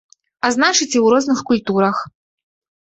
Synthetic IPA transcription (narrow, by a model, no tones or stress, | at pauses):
aznat͡ʂɨt͡sʲiwɾɔznɨxkulʲt̪uɾɐx